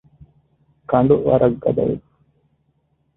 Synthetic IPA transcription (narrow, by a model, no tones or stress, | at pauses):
kɐɳɖuʋɐ̰ɾɐɡːɐd̪ɐ̰ʋḛ